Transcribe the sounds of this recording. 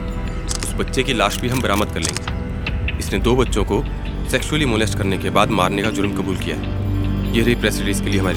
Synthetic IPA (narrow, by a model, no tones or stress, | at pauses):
ʊsbɐtːʃekilaːʃbʱiɦɐmbɐɾaːməd̪̚kɐɾlḛ̃ːŋɡe | ɪsned̪oːbɐtːʃõko | sɛːkʃuəlimoːlesʈkɐɾnekebaːd̪maːɾnekad͡ʒʊɾmkɐbuːlkija̰ɦɛ̰ː | jeɾipɾɛːsɾɪliːskelieɦɐmaːɾi